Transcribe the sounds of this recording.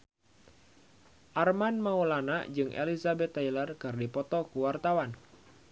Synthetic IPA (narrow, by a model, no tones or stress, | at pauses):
ʔarmanmaulanaʔd͡ʒɨŋʔḛlizabɛt̪ːajlərkɨrdipɔt̪ɔkuwart̪awan